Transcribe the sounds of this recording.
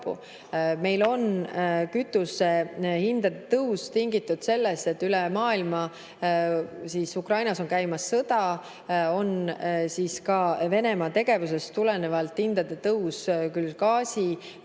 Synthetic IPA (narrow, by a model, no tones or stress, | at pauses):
pṵ | me̞jlo̞nkyt̪ːˑusehind̪̥ɑd̪̥et̪ɤust̪iŋɡit̪ːˑud̪̥se̞lːest̪e̞t̪ːylɛmɑːilmɑ | siːsukrɑjnɑso̞nkæjmɑsːɤd̪̥ɑ | o̞nsiskɑve̞ne̞mɑːt̪e̞ɡ̥e̞vus̬e̞st̪ulenevɑlt̪hind̪̥ɑd̪̥e̞t̪ɤwskylkɑːsi